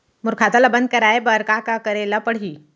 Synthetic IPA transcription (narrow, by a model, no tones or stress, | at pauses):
mʊɾkʰaːt̪alabɐ̃nd̪̚kɐɾaːebɐɾkakakɐɾeːlapəɽ̤iː